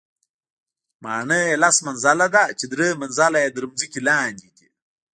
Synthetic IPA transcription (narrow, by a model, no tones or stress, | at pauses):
maːɳəjelasmanzalad̪at͡ʃed̪ɾəmɐnzalajed̪ɾɨmzikilaːniki